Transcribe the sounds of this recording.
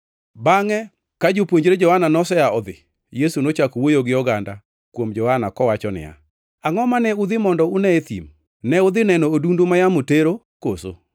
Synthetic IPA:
baŋɛ | kad͡ʒopwoɲd͡ʒɾed͡ʒɔhananɔsɛaɔd̪ɪ̰ | jesunot͡ʃakowojoɡɪɔɡanda | kwomd͡ʒɔhanakɔwat͡ʃɔnɪ̰ja̰ | aŋɔmanɛʊd̪ɪmɔndɔʊnɛet̪ḭm | nɛʊd̪ɪnɛnoːdundomajamoteɾo | koso̰

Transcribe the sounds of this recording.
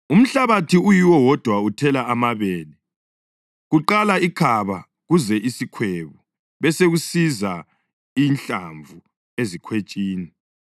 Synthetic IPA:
um̩ɬaβatʰiujiwɔwɔd̥ʱwautʰɛlaamaβeːli | ɣuǃalaikʰaβa | ɣuzɛʔisikʰweβu | βɛseɣusiza | int͡ɬʼa̰ɱvʱu | ezikʰwet͡ʃʼiːni

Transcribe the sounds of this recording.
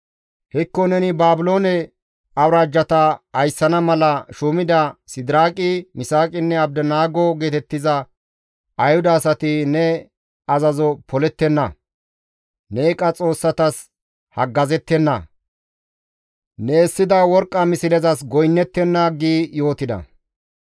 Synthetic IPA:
hɪkːɔnɛnɪbaːbɪlo̞ːnɛ | ɐwɾaːd͡ʒːɐt̪ɐɐjsːɐnɐmɐlɐʃʊmɪd̪ɐsɪd̪ɪɾaːkʼɪmɪsaːkʼɪnːɛɐb̚d̪ɐnaːɡɔɡe̞ːt̪ɛt̪ːɪzɐ | ɐjhʊd̪ɐːsɐt̪ɪnɛ | ɐzɐzɔpʰɔlɛt̪ːɛnːɐ | neːkʼɐt͡sʼo̞ːsːɐt̪ɐs | hɐɡːɐzɛt̪ːɛnːɐ̰ | nɛːsːɪd̪ɐwɔɾkʼːɐmɪsɪlɛzɐsɡɔjnːɛt̪ːɛnːaɡiːjo̞ːt̪ɪd̪ɐ̰

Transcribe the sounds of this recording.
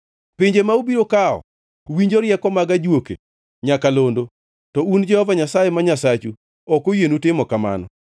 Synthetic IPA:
pɪɲd͡ʒemaubiɾokaɔ̰ | wiɲd͡ʒoɾjɛkɔmaɡad͡ʒwokḛ | ɲakalondo | tɔund͡ʒɛhɔvaɲasajemaɲasat͡ʃu | ɔkojenutɪmɔkama̰nɔ

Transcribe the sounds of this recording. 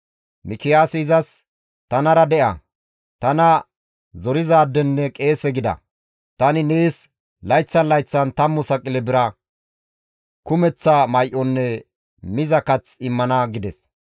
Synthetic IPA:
mɪkɪjaːsɛɪzɐs | t̪ɐnɐɾɐd̪ɛʔɐ̰ | t̪ɐnɐ | zɔɾɪzaːd̪ːɛnːɛkʼe̞ːsɛɡɪd̪ɐ̰ | t̪ɐnɪneːs | lɐjt͡sːɐnlɐjt͡sːɐnt̪ɐmːʊsɐkʼɪlɛbɪɾɐ | kʊmɛt͡sːɐmɐjʔɔnːɛ | mɪzɐkɐt͡sɪmːɐnɐɡɪd̪ɛs

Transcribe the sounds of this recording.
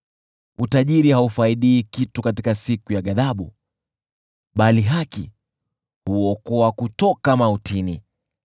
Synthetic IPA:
utaʄiɾihaufaiɗiːkitukatikasikujaɠaðaɓu | ɓaliɦakḭ | huɔkɔakutɔkamautini

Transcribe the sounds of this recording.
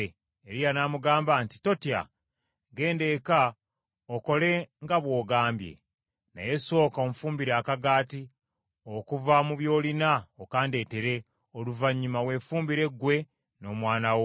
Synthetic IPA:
eɾijanaːmuɡaːmbanti̥to̞tia̰ | ɡe̞ːnde̞ka | oko̞le̞ŋɡaβwo̞ːɡaːmbje̞̰ | na̰je̞so̞ːkaomfuːmbiɾaːkaɡaːti | okuvamuβjo̞ːlinaokaːnde̞teɾe̞ | oluvaɲːumawe̞fuːmbiɾe̞ɡwe̞ | no̞ːmwaːnawo

